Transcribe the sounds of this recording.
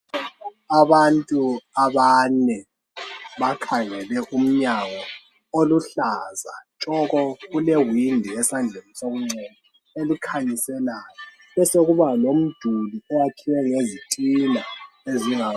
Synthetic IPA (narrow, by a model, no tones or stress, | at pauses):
aβantʼuaβanɛ | βakʰaŋɛlɛʔum̩ɲaɣɔ | oluɬazat͡ʃʼɔɣɔɣulɛwindʱiɛsand͡ɮʱenisoɣuŋ͡ǀɛna | elikʰaɲisɛlaːjɔ | ɛsoɣuβalom̩d̥ʱuliɛjakʰiwɛŋezitʼila | eziŋa